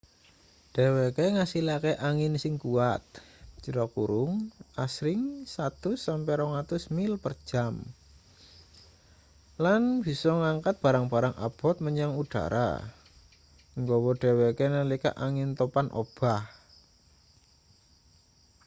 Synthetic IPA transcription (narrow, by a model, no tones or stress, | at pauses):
ɖ̥e̤wekeŋasilakeʔaŋɪnsɪŋkuat̪̚t͡ʃəɾɔkuɾʊŋasɾɪŋsat̪ʊsːampɛɾɔŋat̪ʊsmɪlpərd̥ʒ̥am | lanb̥i̤sɔŋaŋkat̪̚b̥a̤ɾaŋb̥a̤ɾaŋʔa̰b̥ɔ̤t̪̚məɲaŋuɖ̥a̰ɾʔa̰ | ŋɡɔwɔɖ̥ɛ̤wekenəlika̰ʔaŋɪnt̪opanʔo̰b̥ah